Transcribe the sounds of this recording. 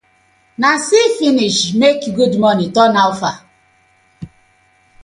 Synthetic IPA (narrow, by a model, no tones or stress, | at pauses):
nasifiniʃmekɡudmɔnitɔnaʊfa